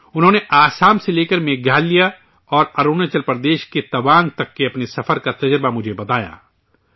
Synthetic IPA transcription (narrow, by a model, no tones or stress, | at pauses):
ʊnɦõːneʔaːsaːmseleːkəɾmẽːɡʱaːlːija | ɔːɾɐɾoːnet͡ʃəlpəɾd̪eːʃket̪ɐʋaːnt̪ɐkːeɐpnesɐfəɾkat̪ɐd͡ʒɾbamʊd͡ʒʱebɐt̪aːja̰ː